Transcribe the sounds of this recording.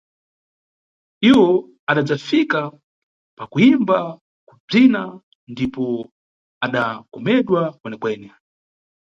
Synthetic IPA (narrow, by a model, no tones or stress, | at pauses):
iwɔ | aɗad͡zafika | pakuimba | kub͡ʐina | ndipɔ | aɗakɔmɛɗwakwɛnɛkwɛːnɛ